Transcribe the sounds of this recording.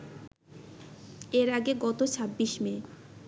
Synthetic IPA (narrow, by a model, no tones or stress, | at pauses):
eɾaɡeɡɔt̪ot͡ɕʰabːiʃme